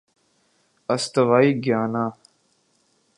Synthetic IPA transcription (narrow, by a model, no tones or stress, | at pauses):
ɐst̪ɐʋaːiːɡjaːnaː